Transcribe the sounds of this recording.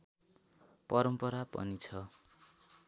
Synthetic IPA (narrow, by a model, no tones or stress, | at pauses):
pʌɾʌmpʌɾapʌ̰nit͡sʰʌ